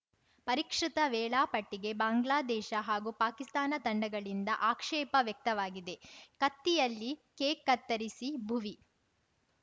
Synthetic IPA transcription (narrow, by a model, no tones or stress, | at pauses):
pɐɾikʂɾit̪ɐʋɛːɭaːpɐʈːiɡe̞baːŋɡlaːd̪ɛːʃɐɦaːɡupaːkist̪aːnɐt̪ɐɳɖɐɡɐɭind̪ɐʔaːkʂɛːpɐʋjɐk̚t̪ɐʋaːɡid̪e̞kɐt̪ːijɐlːikeːkːɐt̪ːɐɾisibʱuʋi